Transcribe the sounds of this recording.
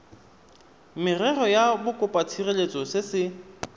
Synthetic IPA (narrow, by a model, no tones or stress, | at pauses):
mɪrɛrɔjabʊkʼʊpʼatʰirelet͡sʼɔsɪsɪ